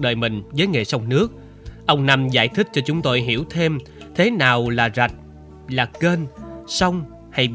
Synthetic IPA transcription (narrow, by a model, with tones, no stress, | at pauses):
ɗə̰ː˧˨jmï˨˩ŋ̟zəː˨˦jŋḛ˧˨˩sə˧wŋ͡mnɨ˦˥ək̚ | ʔə˧wŋ͡mna˧mza̰ː˧˩jt̪ʰï˦˥k̟̚t͡ɕɔ˧t͡ɕʊ˨˦ŋ͡mt̪o˧jɦi˧˩əwt̪ʰe˧m | t̪ʰe˨˦naː˨˩wlaː˨˩za˨˩t̚ | laː˨˩keː˧nsə˧wŋ͡m | ha˧j